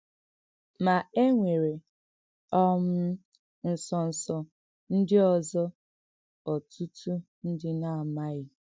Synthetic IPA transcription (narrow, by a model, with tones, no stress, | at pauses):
ma˨e˦ŋʷe˨ɾe˨ | ɔ˦m̩˦ | n̩˨sɔ˨n̩˨sɔ˨ | n̩˦dɪ˦ɔ˨zɔ˦ | ɔ˨tʰu˦tʰu˦ | n̩˦dɪ˦na˦a˨ma˦ɣɪ˦